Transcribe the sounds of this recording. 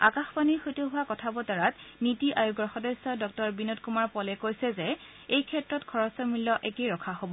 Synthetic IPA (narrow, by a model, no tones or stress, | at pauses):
a̰kaxpanixojtoɦʊwakɔtʰabɔtaɹatnitiʔajuɡɹɔxɔdɔsɔdɔk̚tɔɹbinotkumaɹpɔlɛkojsɛzɛ | ejkʰɛtɹɔtkʰɔɹɔsɔmilːɔʔɛkejɹɔkʰaɦobɔ